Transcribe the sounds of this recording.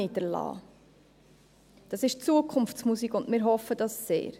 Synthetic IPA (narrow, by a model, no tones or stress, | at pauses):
ɪdəɾlɑ̰ː | d̥ɑsɪʃt͡suəkʰʊmft͡smusikʊndmɪːɾɦɔfəd̥ɑsːḛːɾ